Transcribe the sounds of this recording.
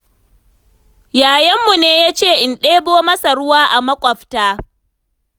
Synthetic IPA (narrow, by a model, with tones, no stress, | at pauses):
jaː˨jɐ˦mːu˨neː˦jaː˦t͡ʃeː˦˨ʔɪ˨nɗeː˦boː˦mɐ˦sa˨ɽʊ˦waː˦ʔa˨mɐ˦kʷʼɐ˨ɸtaː˦